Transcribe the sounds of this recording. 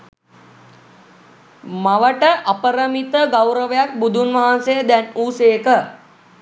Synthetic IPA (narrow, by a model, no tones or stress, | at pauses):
maʋəʈəʔapəɾəmit̪əɡawɾəʋəjak̚bud̪ʱunʋaɦansejəd̪ænuːsejəkə